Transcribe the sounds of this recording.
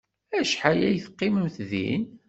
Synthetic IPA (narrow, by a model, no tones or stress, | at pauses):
æʃħajæjθqːiməmθðḭn